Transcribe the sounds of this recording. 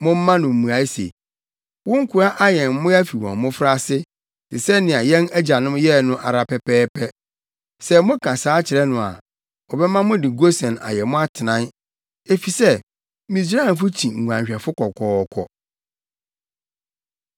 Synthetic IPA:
mʊ̃˦m̩ː˦ã˦nʊ̃˨m̩˨mũ˨a˨˦i˦sḛ˨ | wʊ̃˦ŋ̩˦kʰʊ˨a˦ʔa˦jɛ˨m˦mʊ̃˦æ˦fi˨wɔ̃˨m˨mʊ̃˦fɾa˦sɪ˦ | sɪ˨sɛ˦nːɪ̃˨a˨jɛ̃˦næ˦d͡ʑa˨nʊ̃˦mjɛ˦nʊ̃˦ʔa˨ɾa˨pɛ˦pʰɛː˦pʰɛ˦ | sɛ˦mʊ̃˦kʰã˨saː˨˦t͡ɕʰɪ˨ɾɛ˦nʊ̃˨a̰˨ | ɔ˨bɛ˦mã˦mʊ̃˦dɪ˨ɡo˦sɛ̃˨na̰˨jɛ˨mʊ̃˦a˦tʰɪ˨nã˦n | e˦fi˨sɛ˦ | mĩ˨s̬a˦˨n˨f̬ʊ˦t͡ɕʰĩ˨ŋ̩˨ɡʷã˨ɲɕᶣɛ˨fʊ˦kʰɔ˨kʰɔː˨˦˨kʰɔ̰˦

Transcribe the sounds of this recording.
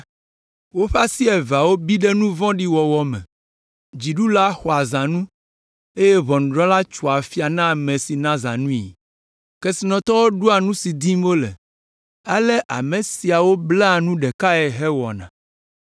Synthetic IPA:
wo˦ɸa˦si˦ɛ˨va˨wo˦bi˦ɖe˦nũ˦vɔ̃˦ɖi˦wɔ˨wɔ˨mɛ̰̃˨ | d͡ʑi˨ɖu˦la˦xɔ˨a˨zã˨nũ˦ | e˦je˦βɔ˨ñ˨ɖɾɔ̃˦la˦t͡ʃu˨a˨fi˦a˨nã˦˨mẽ˨si˨nã˦zã̰˨nũ˦ḭ˨ | ke˦si˨nɔ̃˨t̪ɔ˦wo˦ɖu˦a˨nũ˦si˨d̪i˦m˦o˦lɛ̰˨ | a˦le˦ʔa̰˨mẽ˨si˨a˨wo˦blɛ˦a˨nũ˦ɖɛ˨ka˦ɛ˨ɦɛ˦wɔ˨nã̰˨

